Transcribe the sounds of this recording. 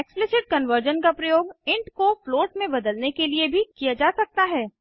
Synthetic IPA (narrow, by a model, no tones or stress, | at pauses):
eksplɪsɪʈ̚kɐnʋəɾd͡ʒənkapɾɐjoːɡɪ̃ɳʈkofloːʈmẽbɐd̪əlnekeliebʱikijad͡ʒaːsɐk̚t̪aɦɛː